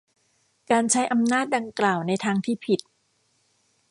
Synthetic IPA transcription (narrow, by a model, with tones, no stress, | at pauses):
kaː˧nt͡ɕʰa˦˥jʔa˧mnaː˥˩t̪̚da˧ŋklaː˨˩wna˧jt̪ʰaː˧ŋt̪ʰiː˥˩pʰi˨˩t̪̚